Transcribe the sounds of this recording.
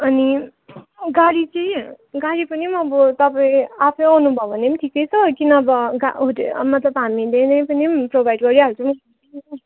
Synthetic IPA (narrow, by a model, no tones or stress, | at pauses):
ʌni | ɡaɽit͡sʌj̃ | ɡaɽipʌnimʌbʌt̪ʌpaĩapʰʌ̃awnubʱʌbʱʌnemʈʰikejt͡sʰʌkinʌbʌɡa̰ɦuʈmʌt̪lʌbɦamid̪enʌjpʌnimprobʱajɖɡʌɾjaɦut͡sʰʌmɡai